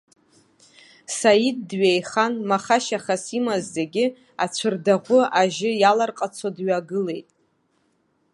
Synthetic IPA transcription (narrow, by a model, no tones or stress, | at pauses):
sajidːɥejχanmaχaʃaχasimazzeɡʲɪ | at͡ɕʷʰɨrdaʁʷʊaʒɪjalarqʼat͡sʰadɥaɡɨle̞jtʼ